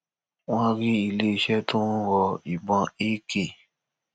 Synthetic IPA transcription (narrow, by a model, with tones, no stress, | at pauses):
w̃ɔ̃˦ɾi˦i˧˨le˦˧ʃɛ˦tũ˦wɔ˧i˨ɡ͡bɔ̃˧e˦ke˦˨